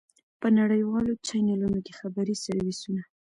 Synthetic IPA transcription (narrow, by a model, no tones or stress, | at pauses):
pənaɽəjwɑlot͡ʃajnalunokexabaɾisaɾwisuna